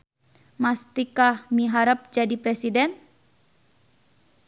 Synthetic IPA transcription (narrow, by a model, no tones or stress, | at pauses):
mast̪ikahmiɦaɾəp̚d͡ʒadipɾɛsidɛn